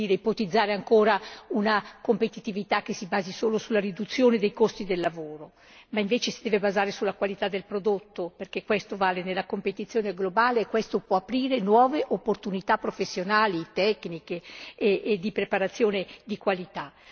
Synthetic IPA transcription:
iːɾeipot̪id̪zːaːɾeaŋkoːɾaunakompet̪it̪ivit̪ak̟ːesibaːzisoːlosulːaɾid̪ut̪sːjoːned̪ejkost̪id̪elːavoːɾo | maiɱveːt͡ʃesid̪ɛːvebazaːɾesulːakwalit̪ad̪ːelpɾod̪ot̪ːoperk̟ekːwest̪ovaːlenelːakompet̪it̪sːjoːneɡlobaːleːkwest̪opwɔapɾiːɾenwɔːveʔopːort̪unit̪apːɾofesːjonaːlit̪ɛknikeeːd̪ipɾepaɾat̪sːjoːned̪ikwalit̪a

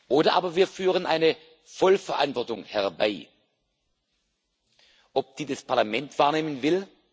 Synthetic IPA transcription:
ʔoːdɐʔaːbɐviːɐfyːʁ̞ənʔa̰ɪnə | fɔlfɛɐʔa̰ntv̥ɔɐtʊŋhɛʁba̰ɪ | ʔɔp̚d̥iːdɛspʰaɐlamɛntv̥aːɐneːmənvɪl

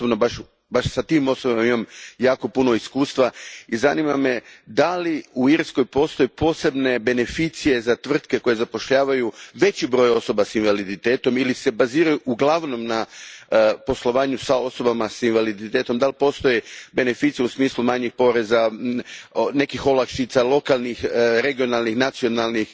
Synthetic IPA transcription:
obnobaʃ | baʃsat̪iːmo̞sobamimamjaːko̞punoiskuːst̪ʋaiza̰nimamed̪aliuiɾsko̞jpo̞ːst̪o̞jepo̞ːse̞bne̞be̞ne̞fit̪sije̞zat̪ʋr̩t̪ke̞ko̞je̞zapo̞ʃʎaːʋajuʋe̞t͡ɕibɾo̞ːjo̞so̞basinʋalid̪it̪e̞ːt̪o̞milise̞baziːɾajuʔuɡlˠaʋno̞mna | po̞slˠo̞ʋaːɲusao̞so̞bamasinʋalid̪it̪e̞ːt̪o̞md̪alipo̞st̪o̞jebe̞ne̞fiːt̪sijeusmiːslumaɲixpo̞ɾe̞za | ne̞kixo̞lakʃit̪salˠo̞kalˠnixɾe̞ɡio̞nalnixnat̪sio̞nalˠnix

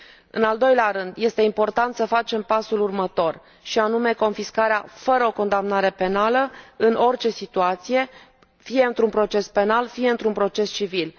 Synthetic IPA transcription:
ɨ̰nald̪o̞jleaɾɨnd̪je̞st̪e̞impo̞rt̪ant̪səfat͡ʃe̞mpasulurmət̪o̞r | ʃianume̞ko̞nfiskaɾeafəɾəo̞ko̞nd̪amnaɾe̞pe̞naləɨnʔo̞rt͡ʃe̞sit̪uat̪sije̞ | fije̞ɨnt̪ɾunpɾo̞t͡ʃe̞spe̞nalfije̞ɨnt̪ɾunpɾo̞t͡ʃe̞st͡ʃivil

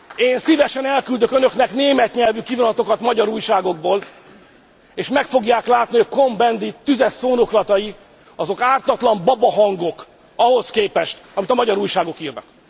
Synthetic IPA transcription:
eːnsivɛʃɛnɛlkyld̪økønøkn̪ɛkneːmɛt̪ɲɛlvykivonɒt̪o̞kɒt̪mɒɟɒɾuːjʃaːɡo̞ɡboːl | eːʃmɛkfo̞ɡjaːklaːt̪niko̞mbɛnd̪it̪yzɛsːoːnoklɒt̪ɒji | ɒzo̞kaːrt̪ɒt̪lɒmbɒbɒɦɒŋɡo̞k | ɒɦo̞skeːpɛʃt̪ɒmit̪ɒmɒɟɒɾuːjʃaːɡo̞kiːrnɒ̰k

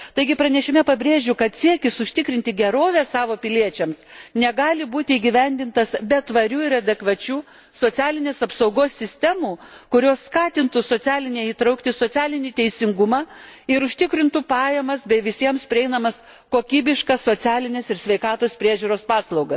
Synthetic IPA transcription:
t̪ɐɪɡʲɪpɾɐnʲɛʃʲɪmʲɛpɐbʲɾʲeːʒʲʊkɐt̪sʲiɛkʲɪsʊʃʲt̪ʲɪkɾʲɪnʲt̪ʲɪɡʲɛɾoːʋʲɛːsɑːʋoːpʲɪlʲiɛt͡ʃʲɛmsnʲɛɡɑːlʲɪbuːt̪ʲɪːɡʲiʋʲɛnʲd̪ʲɪnt̪ɐsbʲɛt̪ʋɐɾʲuːɪɾɐd̪ʲɛkʋɐt͡ʃʲuː | soːt͡s̪ʲæːlʲɪnʲeːsɐpsɐʊɡoːsːʲɪsʲt̪ʲæmuːkʊɾʲoːsskɑːt̪ʲɪnt̪ʊsoːt͡s̪ʲæːlʲɪnʲɛiːt̪ɾɐʊkt̪ʲɪsoːt͡s̪ʲæːlʲɪnʲit̪ʲɛɪsʲɪŋɡʊmɑːɪɾʊʃʲt̪ʲɪkɾʲɪnt̪upɑːjɛmɐsbʲɛʋʲɪsʲiɛmspʲɾʲɪɛɪnɐmɐs | koːkʲiːbʲɪʃkɑsoːt͡s̪ʲæːlʲɪnʲeːsɪɾsʲʋʲɛɪkɑːt̪oːspʲɾʲiɛʒʲuːɾoːspɑːslˠɐʊɡɐs

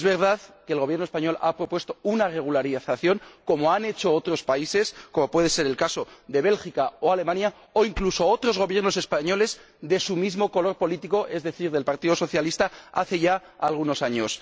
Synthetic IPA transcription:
ezβe̞ɾð̞aðkeːlɣo̞βjenospaɲo̞lapɾo̞pwe̞st̪o̞unare̞ɣ̞ulaɾiθaθjo̞ŋko̞mo̞ane̞t͡ʃo̞ot̪ɾo̞spaise̞sko̞mo̞pwe̞ð̞e̞se̞ɾe̞lkaso̞ðe̞βe̞lxikaoale̞mãnja | oiŋkluso̞ot̪ɾo̞zɣo̞βje̞ɾno̞se̞spaɲo̞le̞z | ðe̞sumizmo̞ko̞lo̞ɾpo̞lit̪iko̞ʔe̞zðe̞θiɾðe̞lpaɾt̪iðo̞so̞θjalist̪aa̰θe̞ʝaalɣ̞uno̞saɲos

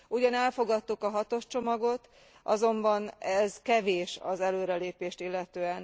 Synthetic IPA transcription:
uɟɒnɛlfo̞ɡɒt̪ːukɒɦɒt̪o̞ʃt͡ʃo̞mɒɡo̞t̪ | ʔɒ̰zo̞mbɒnɛzkɛveːʃɒzɛløːɾɛleːpeːʃt̪ilːɛt̪øːɛn

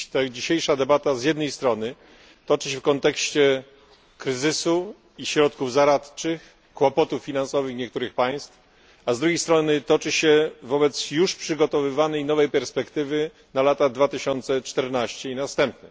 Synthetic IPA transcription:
t̪ad͡ʑiɕejʂad̪ɛbat̪azjɛd̪nɛjst̪ɾɔnɘ | t̪ɔt͡ʂɘɕɛfkɔnt̪ɛkɕt͡ɕɛ | kɾɘzɘsu | iɕɾɔt̪kuvzaɾat̪t͡ʂɘx | kwɔpɔt̪ufːʲinansɔvɘxɲɛk̚t̪uɾɘxpaj̃st̪f | azd̪ɾuɡʲejst̪ɾɔnɘt̪ɔt͡ʂɘɕɛvɔbɛt̪sjuʂpʂɘɡɔt̪ɔvɘvanɛjnɔvɛjpɛɾspɛkt̪ɘvɘ | nalat̪ad̪vat̪ɘɕɔnt̪sɛt͡ʂt̪ɛɾnaɕt͡ɕɛinast̪ɛmpnɛ

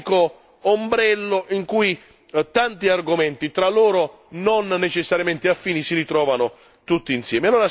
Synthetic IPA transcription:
ko | ombɾɛlːoʔiŋkuj | t̪ant̪iarɡʊmɛnt̪it̪ɾalːoːɾo | nonːet͡ʃesːaɾjament̪ɪafːiːnisiɾit̪ɾɔːvanʊ | t̪ut̪ːiːnsjɛːmealːoːɾa

